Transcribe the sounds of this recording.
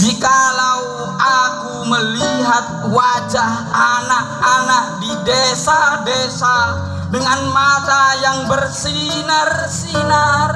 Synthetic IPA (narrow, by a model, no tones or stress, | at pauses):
d͡ʒikalau | akuməliɦat̪̚wad͡ʒahanak̚anak̚didesadesa | dəŋanmat̪ajaŋbərsi | nərsinər